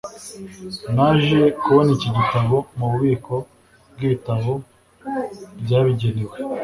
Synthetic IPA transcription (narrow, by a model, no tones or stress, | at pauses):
naʒijekuβoniciɟitaβo̞muuβiːko̞ | b̚ɡitaβo̞ | bɟaːβiɟe̞newe